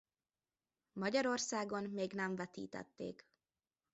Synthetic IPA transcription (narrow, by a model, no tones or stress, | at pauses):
mɒɟɒɾo̞rsaːɡo̞nmeːɡnɛɱvɛt̪ḭːt̪ɛ̰t̪ːḛːk